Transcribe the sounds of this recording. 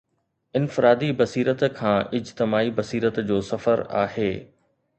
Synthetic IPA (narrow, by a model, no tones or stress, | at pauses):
ɪnfɪɾaːd̪ibɐsiːɾət̪kʰãːʔɪd͡ʑt̪ɪmaːibɐsiːɾət̪d͡ʑoːsɐfəɾa̰ːheː